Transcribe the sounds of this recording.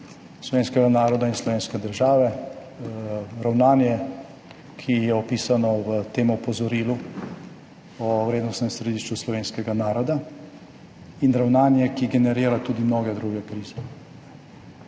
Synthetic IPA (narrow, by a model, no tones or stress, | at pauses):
slɔʋeːnskɛɡanaːɾɔd̪ainslɔʋeːnskɛd̪əɾʒaːʋɛ | ɾawnaːnjɛ | kʰijɛɔpiːsanɔʋət̪eːmɔpɔzɔɾiːlu | ɔwɾeːd̪nɔst̪nɛmsɾɛd̪iːʃt͡ʃuslɔʋeːnskɛɡanaːɾɔd̪a | inɾawnaːnjɛkiɡɛnɛɾiːɾat̪uːd̪imnoːɡɛd̪ɾuɡɛkɾiːzɛ